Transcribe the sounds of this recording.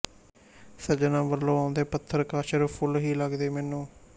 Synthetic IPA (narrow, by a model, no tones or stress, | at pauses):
səd͡ʒnãːbəlːõːaːʊnd̪eːpət̪ʰːəɾkaːʃəɾpʰʊlɦiːləɡd̪eːmɛːnũː